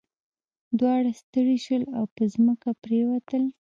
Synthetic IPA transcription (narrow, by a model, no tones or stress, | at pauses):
d̪wɑɽast̪əɽiʃwəlawpəzməkapɾewat̪əl